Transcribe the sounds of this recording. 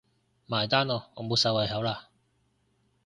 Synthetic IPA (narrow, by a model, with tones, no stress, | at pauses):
maː˨˩jt̪aː˥nɔː˨˧ŋɔː˨˧mo˨˧wsɐ˧wɐ˨˧jɦɐ˨˥wlaː˧